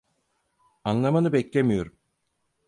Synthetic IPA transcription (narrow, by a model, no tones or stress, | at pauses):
anlˠamanɯbɛclʲe̞mijo̞ɾum